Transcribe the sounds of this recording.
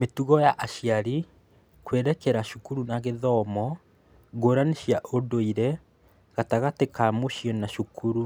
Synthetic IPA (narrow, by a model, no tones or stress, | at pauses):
metuɣɔjaʔaʃiaɾi | kweɾɛkɛɾaʃukuɾunaɣeðɔmɔ | ɣoːɾaneʃjaʔodoiɾɛ | ɣataɣatekaːmoʃjɔnaʃukʰuɾu